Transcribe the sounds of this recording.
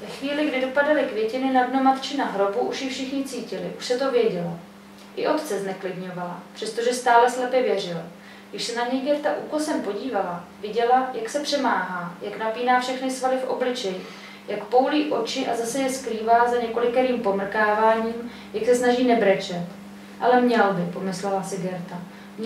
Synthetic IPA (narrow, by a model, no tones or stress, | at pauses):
vɛxviːlɪɡdɪdo̞padalɪkvjɛcɪnɪnadno̞mat̪t͡ʃɪnaɦɾo̞buʔuʃjɛfʃɪxɲɪt͡siːcɪlɪ̰ʔuʃsɛt̪o̞vjɛɟɛla | ʔɪʔo̞t̪t͡sɛznɛklɪdɲo̞vala̰pr̥ɛst̪oʒɛst̪aːlɛslɛpjɛvjɛr̝ɪla | ɡdɪʃsɛnaɲɛjɡɛrt̪aʔṵkosɛmpo̞ɟiːvalavɪɟɛlajaksɛpr̥ɛmaːɦaːjaknapiːnaːfʃɛxnɪsvalɪfʔo̞̰blɪt͡ʃɛjɪ | jakpo̞wliːʔo̞t͡ʃɪʔazasɛjɛskɾiːvaːzaɲɛko̞lɪkɛɾiːmpo̞mr̩kaːvaːɲiːm | jaksɛsnaʒiːnɛbɾɛt͡ʃɛt̪ | ʔa̰lɛmɲɛlbɪpo̞mɪslɛlasɪɡɛɾt̪a | mɲ